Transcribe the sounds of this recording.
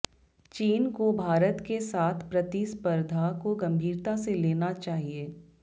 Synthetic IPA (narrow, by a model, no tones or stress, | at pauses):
t͡ʃiːnkobʱaːɾət̪kesaːt̪ʰpɾɐt̪ispəɾd̪ʱakoɡɐ̃mbʱiːɾt̪aseleːnat͡ʃaːɦieː